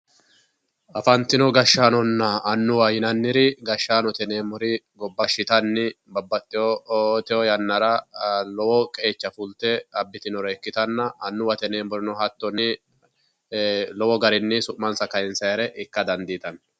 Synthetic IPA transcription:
ɐfɐnt̪ɪnɔɡɐʃːaːnɔnːɐːnːʊwaːjɪnɐnːɪɾɪɡɐʃːaːnɔt̪ɛneːmʊɾɪɡɔbːɐʃːɪt̪ɐnːɪ | bɐbːɐt̪ːɪɔt̪ːɛjɔjɐnːɐɾɐlɔwɔkʼeːt͡ʃːɐfʊlt̪ɛɐbːɪt̪ɪnɔɾɐɛkːɪt̪ɐnːɐɐnːʊwɐt̪ɛneːmʊɾɪnɔhɐt̪ːɔnɪ | lɔwɔɡɐɾɪnːɪsʊʔmɐnsɐkɐjɪnsɐjɐɾɛʔɪkːɐd̪ɐnd̪iːt̪ɐn

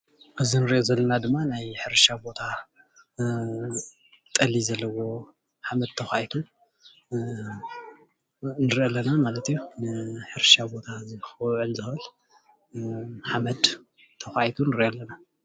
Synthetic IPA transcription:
ʔɨzinɨɾʔozɐlːɐnad̪ɨmːanajħɨɾʃabo̞t̪ʰa | t̪ʼɐlizɐlːɐwo̞ | ħamɐd̪̚t̪ʰɐxʷajt̪ʰu | nɨɾʔolːɐnamalɐt̪junɨħɨɾʃabo̞t̪ʰazɨxʕɨlzɨxɨl | ħamɐd̪ | t̪ʰːɐxaʔjt̪ʰunɨɾʔolːɐna

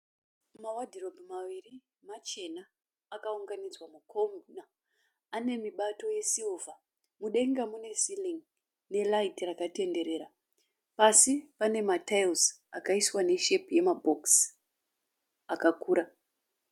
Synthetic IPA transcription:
mawadʱirobʱmaʋiri | mat͡ʃe̞naː | kauŋɡanid͡zwamukʰomuna | ane̞miɓato̞je̞siuvʱa | muɗe̞ŋɡamune̞siliŋ | ne̞laitirakate̞nde̞ɾe̞ːɾa | pasipane̞matelz | akaiswane̞ʃe̞pje̞mabʱo̞ks | akakuːɾa

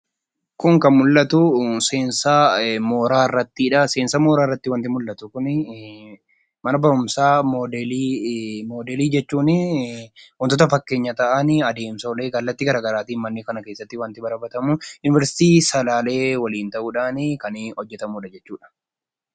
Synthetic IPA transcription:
kʊŋkɐnmʊlːɐt̪ʊseːnsamo̞ːɾaːrːɐt̪ːɪᶑɐseːnsɐmoːɾaːrːɐt̪ːɪwɐnt̪ɪmʊlːɐt̪ʊkʊnɪ | mɐnɐbɐɾʊmsaːmoːdɛlimo̞ːd̪ɛliːd͡ʒɛt͡ʃːuːnɪ | wɐnt̪̬ɔt̪ɐfɐkːe̞ːɲːɐt̪ɐʔɐnɪɐd̪e̞ːmsoːleːɡɐlːɐt̪ːɪɡɐɾaːɡɐɾaːt̪iːnmɐnːɪkɐnɐkeːsːɐt̪ːɪwɐnt̪ɪbɐɾɐbɐt̪ɐmʊjʊnɪvɛɾsɪ̥t̪iːsɐlaːle̞ːwɐliːnt̪ɐʔuːᶑaːnɪkɐnhɔd͡ʒːɛt̪ɐmuːᶑɐd͡ʒɛt͡ʃːuːᶑɐ̥

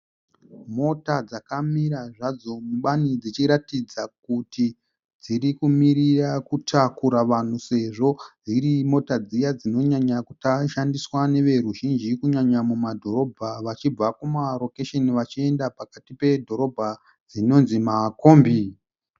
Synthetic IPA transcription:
mo̞tad͡zakamiɾaʐad͡zo̞muɓanid͡zit͡ʃiɾatid͡zak̚uti | d͡ziɾikumiɾirakutʰakuɾaʋan̤use̞ʐo̞d͡ziɾimo̞tad͡zijad͡zino̞ɲaɲakutaʃandiswane̞ʋe̞ɾuʒind͡ʒikuɲaɲamumadʱo̞ɾo̞bʱaʋat͡ʃib͡vakumaro̞keʃe̞niʋat͡ʃie̞ndapakatipe̞dʱo̞ɾo̞bʱa | d͡zino̞nzimakoːmbi

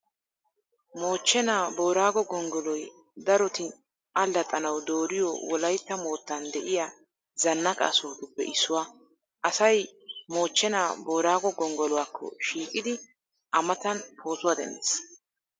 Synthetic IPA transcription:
mo̞ːt͡ʃːɛnaːbo̞ːɾaːɡɔɡɔŋɡɔlɔj | d̪ɐɾɔt̪ɪ | ʔɐlːɐt̪ʼːɐnɐwd̪o̞ːɾɪjɔ̰wɔlɐjt̪ːɐmo̞ːt̪ːɐnd̪ɛʔɪja | zɐnːɐkʼa̰sɔt̪ʊbɛ̰ʔɪsːʊwa | ʔɐsɐjmo̞ːt͡ʃːɛnaːbo̞ːɾaːɡɔɡɔŋɡɔlɔwakːɔ̰ʃiːkʼɪd̪ɪ | ʔɐmɐt̪ɐnpʰo̞ːsʊwɐd̪ɛ̰nːḛs

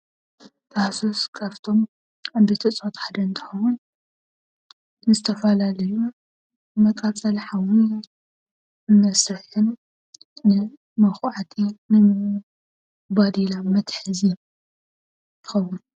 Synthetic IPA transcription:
t̪ʰasoskʰaβt̪ʰo̞m | abet̪ʰɨt͡sʼot̪ħad̪ɐnt̪ʰɨ̥xɐwʊn | ɨzɨt̪ʰɐfɐlalɐju | mɐkʼɐt͡sʼɐlħawi | ɨmɐsɨħɨnː | ɨ | mɐxʕat̪ʰinɨm | bad̪ilamɐt̪ħɨzi | t̪ʰɨxɐwun

